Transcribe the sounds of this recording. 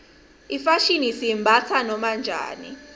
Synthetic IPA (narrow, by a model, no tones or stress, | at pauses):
ifaʃinisimbʱat͡sʰanɔmand͡ʒʱa̰ːnḭ